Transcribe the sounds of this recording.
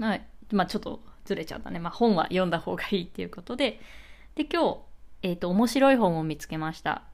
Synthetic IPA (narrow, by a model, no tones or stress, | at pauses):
haimaːt͡ɕo̞t̪ːo̞̰d͡zɨɾe̞t͡ɕa̰t̪ːa̰ne̞maːhõ̞ɰ̃βa̰jõ̞nd̪aho̞ːɡaiːt̪ːe̞jɯ̟ko̞t̪o̞d̪e̞d̪̥e̞kʲo̞ːeːt̪ːo̞ːmo̞ɕiɾo̞iɦõ̞ɰ̃o̞mʲit͡sɨ̥ke̞maɕi̥t̪a̰